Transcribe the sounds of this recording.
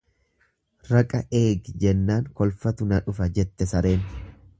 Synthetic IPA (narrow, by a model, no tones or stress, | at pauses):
ɾɐkʼɐʔe̞ːɡd͡ʒɛnːaːŋkɔlfɐt̪ʊnɐᶑʊfɐd͡ʒɛt̪ːɛsɐɾe̞ːn